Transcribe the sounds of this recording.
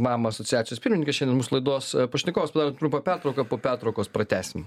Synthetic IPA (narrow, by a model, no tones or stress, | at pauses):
mɑːmɐɐsɔt͡sʲɪjæːt͡ssʲɪjoːspʲɪɾʲmʲɪnʲɪŋkesʃɛndʲɛnmuːsʊlˠɐɪd̪oːspɐʃʲnʲɪkoːʋɐspɐd̪ɑɾot̪ɾʊmpɐpʲært̪ɾɐʊkɐpoːpʲært̪ɾɐʊkoːspɾɐt̪ʲæːsʲɪm